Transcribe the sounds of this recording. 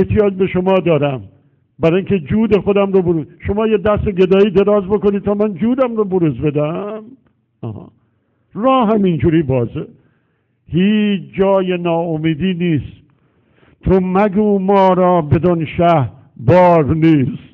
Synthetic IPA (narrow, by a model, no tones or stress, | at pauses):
eht̪ʰijɒːd͡ʒbe̞ʃomɒːd̪ɒːɾæm | bæɾɒːiŋkʰe̞d͡ʒuːd̪e̞xo̞d̪æmɾoboɾuzʃomɒːjed̪æseɡe̞d̪ɒːiːd̪e̞ɾɒːzbo̞konid̪̚t̪ʰɒːmænd͡ʒuːd̪æmɾoboɾuzbe̞d̪æm | ɒ̰ːhɒ̰ | rɒːɦæmind͡ʒuːɾiːbɒːze | hiːt͡ʃd͡ʒɒːjenɒːomiːd̪iːniːst̪ | t̪ʰomæɡuːmɒːɾɒːbe̞d̪onʃæh | bɒːɾniːst̪